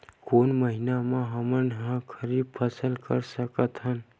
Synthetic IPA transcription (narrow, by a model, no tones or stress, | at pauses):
koːnməɦɪnamãɦəmənɦãkʰəɾiːbpʰəsəlkəɾsəkət̪ɦən